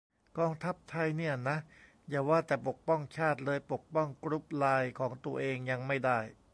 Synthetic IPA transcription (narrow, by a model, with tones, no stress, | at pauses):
kɔː˧ŋt̪ʰa˦˥p̚t̪ʰa˧jni˥˩na˦˥ | jaː˨˩waː˥˩t̪ɛː˨˩po˨˩k̚pɔ˥˩ŋt͡ɕʰaː˥˩t̪̚lɤː˧jpo˨˩k̚pɔ˥˩ŋkɾu˦˥p̚laː˧jkʰɔː˩˦ŋt̪u˧ɐʔeː˧ŋja˧ŋma˥˩jda˥˩j